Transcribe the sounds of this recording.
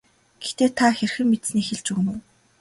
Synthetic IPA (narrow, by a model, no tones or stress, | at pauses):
ɡ̥ext̪eːt̪ʰaxerxɘ̆ŋmet̪sniːxeɮt͡ɕuɣɘ̆nɘ̆w